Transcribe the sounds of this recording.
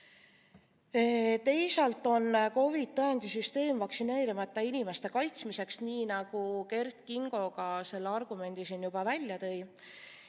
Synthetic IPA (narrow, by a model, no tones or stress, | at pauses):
et̪e̞jsɑlt̪ːˑo̞nko̞vid̪̚t̪ːɤjɑnd̪̥ʲisyst̪e̞ːmvɑksine̞ːɾimɑt̪ːˑɑinime̞st̪e̞kɑjt̪smise̞ksniːnɑɡ̥uke̞rt̪kiŋɡ̥o̞ɡ̥ɑse̞lːeɑrɡ̥ume̞nd̪̥isinjub̥ɑvælʲjɑt̪ɤ̞j